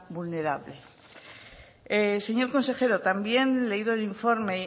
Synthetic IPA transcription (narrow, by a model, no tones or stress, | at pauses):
bulne̞ɾaβle | ese̞ɲo̞ɾko̞nse̞xe̞ɾot̪ambje̞nle̞iðoeliɱfo̞ɾme